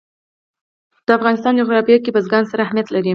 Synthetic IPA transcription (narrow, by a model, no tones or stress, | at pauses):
d̪̥əafɣɑnɪst̪ɑnd͡ʒoɣɾɑfjɑkepəzɡɑnsaɾaːhmijat̪laɾi